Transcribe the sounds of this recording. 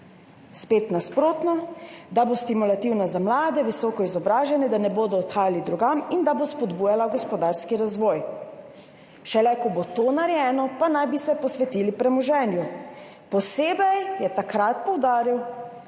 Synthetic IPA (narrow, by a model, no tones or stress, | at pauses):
speːt̪naspɾoːt̪nɔd̪abost̪imulat̪iwnazamlaːd̪ɛʋisɔːkɔizɔbɾaːʒɛnɛd̪anɛboːd̪ɔɔt̪xaːjalid̪ɾuɡamind̪abospɔd̪buːjalaɡɔspɔd̪aɾskiɾazʋɔːj | ʃɛlɛkɔbot̪oːnaɾjɛːnɔpanajbisɛpɔsʋɛt̪iːlipɾɛmɔʒɛːnju | pɔseːbɛjjɛt̪akɾat̪̚pɔwd̪aːɾiw